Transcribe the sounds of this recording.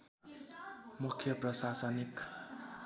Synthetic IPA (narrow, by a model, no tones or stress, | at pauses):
mukʰːjʌprʌsasʌnik